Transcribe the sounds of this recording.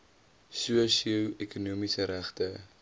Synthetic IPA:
suəsiəwɛkunuəmisəɾæχtə

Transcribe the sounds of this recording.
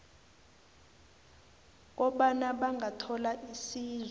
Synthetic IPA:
k̬ɔɓanaɓaŋʱatʰɔlaʔisiːz

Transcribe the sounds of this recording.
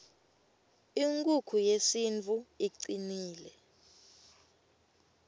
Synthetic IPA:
iŋkʼukʰujesint͡fʰʼuiǀiniːlɛ

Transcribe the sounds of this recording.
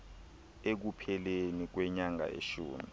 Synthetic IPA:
ek̬upʰɛlenik̬wɛɲaŋa̰ʔḛʃuːmi

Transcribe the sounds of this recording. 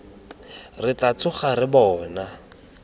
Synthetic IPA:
rɪt͡ɬat͡sʰʊχarɪbɔːna

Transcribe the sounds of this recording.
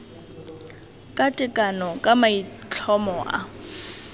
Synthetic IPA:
kʼatʼɪkʼanɔkʼamait͡ɬʰɔmɔʔa̰

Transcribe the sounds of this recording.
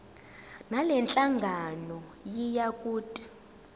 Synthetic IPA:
nalɛnt͡ɬʼaŋɡʱanɔjijakʼuːtʼi̥

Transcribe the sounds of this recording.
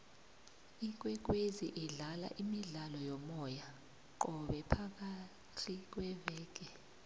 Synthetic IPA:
ik̬ʼwɛk̬ʼweziʔiɮala̰ʔimiɮalɔjɔmɔja | ǃ̬ʼɔɓɛpʰak̬ʼa | t͡ɬʰik̬ʼwɛvɛːk̬ʼɛ

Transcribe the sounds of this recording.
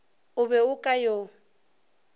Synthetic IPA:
ʊbɛʊkʼajo

